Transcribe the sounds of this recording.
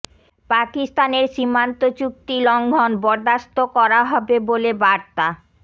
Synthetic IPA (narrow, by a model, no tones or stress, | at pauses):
pakist̪aneɾʃimant̪ot͡ɕuk̚t̪ilɔŋɡʱɔnbɔɾd̪ast̪okɔɾaɦɔbebolebaɾt̪a